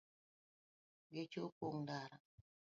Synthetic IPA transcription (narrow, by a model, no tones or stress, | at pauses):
ɡet͡ʃopoŋdaɾa